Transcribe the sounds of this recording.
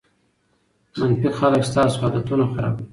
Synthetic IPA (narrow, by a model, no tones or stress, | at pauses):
manfikxaləkst̪ɑːsɑd̪at̪unaxaɾɑ̰ːb̪i